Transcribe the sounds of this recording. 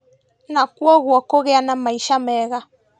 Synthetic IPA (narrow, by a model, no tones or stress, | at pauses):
nakwɔɣwɔkoɣɛanamaiʃamɛɣa